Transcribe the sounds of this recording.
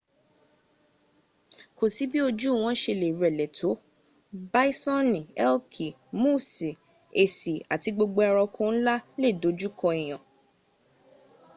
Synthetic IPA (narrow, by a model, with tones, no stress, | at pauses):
ko˨si˨˦bi˦o˧d͡ʒu˦˨w̃ɔ̃˨˦ʃe˧le˨ɾɛ˨lɛ˨tʰo˨˦ | ba˦i˦sɔ̃˦nĩ˨ɛ˦lkʰi˨ | mũ˦˨se˨ | e˨si˨a˨ti˧ɡ͡bo˧ɡ͡bo˧˦ɔ˧ɾɔ˧kʰõ˦la˦le˦˨do˨˦d͡ʒu˦kʰɔ̃˧e˨j̃ã˨